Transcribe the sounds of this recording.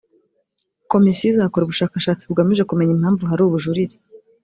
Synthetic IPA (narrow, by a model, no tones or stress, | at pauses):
ko̞misiizakoɾuβuʃaːkaʃaːt͡siuɡamiʒe̞kume̞ɲimhaːɱvuɦaɾuːβuʒuɾiɾi̥